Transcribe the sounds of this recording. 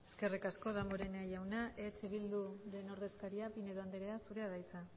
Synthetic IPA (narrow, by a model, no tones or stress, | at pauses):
eske̞rikasko̞ðamoɾe̞neajawnaʔe̞t͡ʃeβ̞ild̪uɾe̞no̞ɾðe̞skaɾiapine̞ðoand̪eɾeasuɾe̞aðajt͡sa